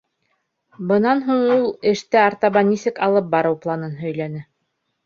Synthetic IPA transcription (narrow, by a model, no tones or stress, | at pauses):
bɤ̆nɑnɦuɴulˠɘ̆ʃt̪ɘɑɾt̪ɑβɑnisɘkɑlˠɤp̚bɑɾɤwplˠɑnɤnɦɵ̆jlænɘ